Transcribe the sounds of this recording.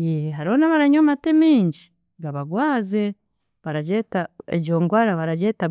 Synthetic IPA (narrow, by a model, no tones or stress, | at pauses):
jeheɦaɾionaβaɾaɲomatemiːɲɟi | ɡaβaɡwaːze | βaɾaɟetaḛɟoːŋɡwaɾaβaɾaɟeta